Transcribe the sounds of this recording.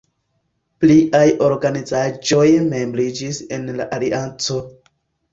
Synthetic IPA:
pliʔajo̞ɾɡanizad͡ʒo̞jme̞mbɾid͡ʒisenla̰ʔaliʔant͡so̞

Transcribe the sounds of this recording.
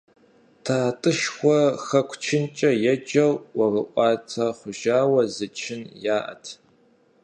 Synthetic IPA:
tʰaːtʼɨʃxʷɔxɐkʷʰt͡ʃʰɪnt͡ʃʼɐjɛd͡ʒɐwwɐrɨʔʷʼɑːt͡sʰɐχʷʊʒaːwɐzɨt͡ʃʰɪnjaːʔɐ̰tʰ

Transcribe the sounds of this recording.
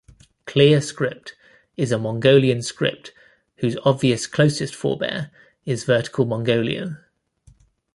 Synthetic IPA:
kʰl̥ɪəskɹɪp̚t | ɪzəmɒ̃ŋɡəʊliə̃nskɹɪ̰p̚t | hʉːzɒbviəskʰl̥əʊsɪstfɔ̰ːbɛ̰ːɹ | ɪzvɜˑtɪ̥kʰəlˠmɒ̃ŋɡəʊlḭə̰̃m

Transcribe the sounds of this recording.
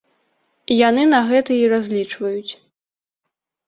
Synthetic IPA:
ijanɨnɐɣɛt̪ɐiɾazʲlʲit͡ʂvɐjut͡sʲ

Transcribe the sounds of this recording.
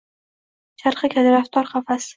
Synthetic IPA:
ʃaɾχɨkʲad̪ɪɾaft̪ʰɒɾχɑfas

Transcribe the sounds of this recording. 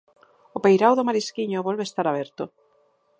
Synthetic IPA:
opejɾawðʊmaɾiskiɲoβɔlβeːst̪aɾaβ̞ɛɾt̪o

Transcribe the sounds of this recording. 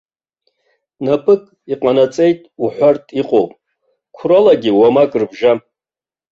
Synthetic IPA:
napʰʼɨkʼ | iqʼanat͡sʼe̞jtʼuħʷartʼiqʼowpʼ | kʷʰrolaɡʲiwamakʼrbʒa

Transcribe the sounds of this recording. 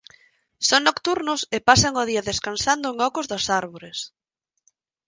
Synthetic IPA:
soŋnokt̪uɾnʊsepasaŋʊðiɐðeskansand̪ʊeŋɔkʊzðosaɾβoɾes

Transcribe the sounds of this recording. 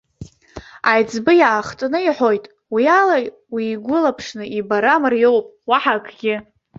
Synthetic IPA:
ajd͡zbɨjaːχtʼnɨiħo̞jtʼ | wiala | wiːɡʷʊlapʰʂnɨibaɾamɨrjo̞wpʼwaħakʰʼɡʲɪ

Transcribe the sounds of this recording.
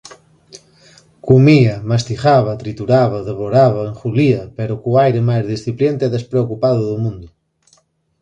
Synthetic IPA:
kumiɐmast̪iχaβɐt̪ɾit̪uɾaβɐðeβoɾaβɐeŋxuliɐpeɾʊkʊajɾemajzðisθipljent̪ɪɛðespɾeokupaðʊðʊmũnd̪ʊ

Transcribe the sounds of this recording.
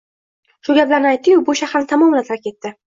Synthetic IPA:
ʃʊɡʲaplaɾnɪajt̪̚ːɪjʊbʊʃahɾaɾnɪt̪ʰamɒmɪlat̪ʰɾkʲe̞t̪ːɪ

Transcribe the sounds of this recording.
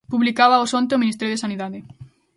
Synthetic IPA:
puβlikaβaosõnt̪eominist̪ɛɾjoðesaniðaðɪ

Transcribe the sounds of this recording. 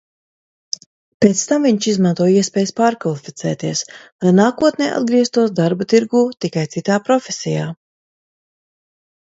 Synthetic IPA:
pɛt̪st̪amviɲt͡ʃizmant̪uɔjiɛspʲɛːjspaːɾkvalˠifʲit̪sɛ̰ːt̪iɛslˠajnaːkuɔt̪nʲɛ̰ːʔa̰d̪ɡɾiɛst̪uɔsd̪aɾbat̪iɾɡuːt̪ikajt̪sit̪aːpɾɔfʲesʲijaː

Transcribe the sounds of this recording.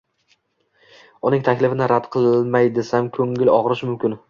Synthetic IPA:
ʊnɪŋt̪ʰakʲlɪfɪnɪɾad̪qʰɨlˠɪlmajd̪ɪsamkʰɵŋɪlɒʁɾɪʃmʊmkʲɪn

